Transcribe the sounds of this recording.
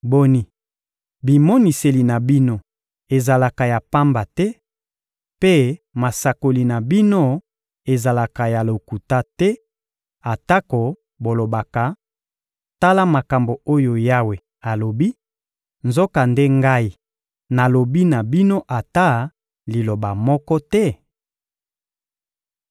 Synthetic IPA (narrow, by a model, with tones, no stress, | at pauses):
bo˦ni˨ | bi˨mɔ˦ni˨se˨li˨na˨bi˦no˦ | e˨za˨la˨ka˨ja˨pa˦mba˨tɛ˦ | pe˦ma˨sa˨ko˨li˨na˨bi˦no˦ | e˨za˨la˨ka˨ja˨lo˨ku˨ta˦tɛ˦ | a˨ta˦ko˨ | bo˨lo˨ba˨ka˨ | ta˦la˦ma˨ka˨mbo˨o˦jo˨ja˦we˨ | a˨lo˨bi˦ | nzo˦ka˨nde˦ŋɡa˦i˦ | na˨lo˨bi˦na˨bi˦no˦ʔa˨ta˦ | li˨lo˨ba˨mɔ˦kɔ˦tɛ˦